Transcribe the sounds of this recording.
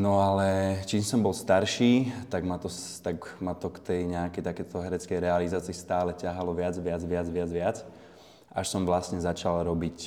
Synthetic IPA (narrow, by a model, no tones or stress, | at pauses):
nɔalɛt͡ʃiːmsɔmbɔlst̪aɾʃiːt̪aɡmat̪ɔst̪aɡmat̪ɔkt̪ɛjɲɛakɛjt̪akɛt̪ɔɦɛɾɛt͡skɛjɾɛalizaːt͡siːst̪aːlɛcaɦalɔʋɪad͡zʋɪad͡zʋɪad͡zʋɪad͡zʋɪat͡s | ʔaʃsɔmʋlasɲɛzat͡ʃalɾɔbic